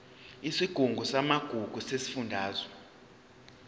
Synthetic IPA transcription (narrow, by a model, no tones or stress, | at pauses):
isiɡ̥ʱuŋɡʱusamaɡ̥ʱuɡ̥ʱusesi̥fundʱaːzwɛ